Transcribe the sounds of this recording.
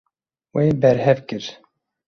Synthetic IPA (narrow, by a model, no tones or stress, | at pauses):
weːbɛɾhɛvkɨɾ